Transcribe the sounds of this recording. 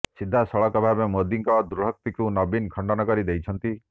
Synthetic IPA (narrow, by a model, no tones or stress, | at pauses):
sid̪ʱːasɔɭɔkɔbʱabemod̪iŋkɔd̪uɾuɦɔk̚t̪ikunɔbinkʰɔɳɖɔnɔkɔɾid̪ejt͡ʃʰɔnt̪i